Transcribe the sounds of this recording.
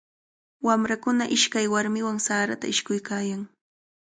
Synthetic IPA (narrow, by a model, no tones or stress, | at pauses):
wamɾakʊnaʔɪʃkajwaɾmɪwaŋsaːɾat̪a̰ɪʃkʊjkaːjaŋ